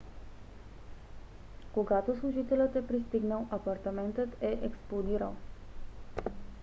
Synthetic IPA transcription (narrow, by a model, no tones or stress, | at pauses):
koɡat̪oslˠuʒit̪ɛlʲət̪ɛpɾist̪iɡnəlˠʔɐpɐɾt̪ɐmɛnt̪ət̪ɛʔɛksplˠod̪iɾəlˠ